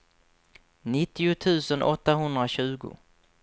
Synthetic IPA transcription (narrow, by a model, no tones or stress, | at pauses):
nɪt̪ːɪʊt̪ʰʉ̟ːsənʔɔt̪ːaɦɵnd̪ɾaɕʉ̟ːɡʊ̰